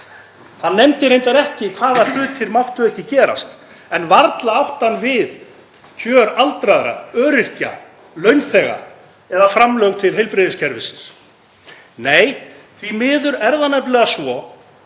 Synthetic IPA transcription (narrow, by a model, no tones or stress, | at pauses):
hanːɛmt̪ɪɾejnt̪aɾɛhcɪkʰv̥aːðal̥ʏːt̪ʰɪɾmawht̪ʏɛhcɪcɛːɾa̰st̪ | ɛnvaɾt̪laawht̪anːvɪð | cʰœːɾalt̪ɾaðɾa̰œːɾɪr̥ca̰ | lœɥnθɛːɣa̰ | ɛðafɾamlœwɣt̪ʰɪlɦejlpɾɪðɪscʰɛɾvɪsɪ̥ns | neːj | θvimɪːðʏɾɛɾðanɛplɛɣasvɔ